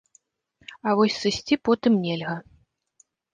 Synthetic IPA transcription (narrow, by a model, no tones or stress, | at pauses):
ɐvɔsʲsɨsʲt͡sʲipɔt̪ɨmnʲelʲɣɐ